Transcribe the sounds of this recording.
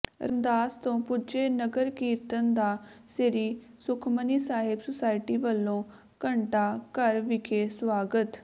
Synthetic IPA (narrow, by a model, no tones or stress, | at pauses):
ɾənd̪aːst̪õːpʊd͡ʒeːnəɡəɾkiːɾt̪ənd̪aːseɾiː | sʊkʰməniːsaːɦɪbsʊsaːɪʈiːʋəlːõː | kəɳʈaːkəɾʋɪkʰeːsʋaːɡət̪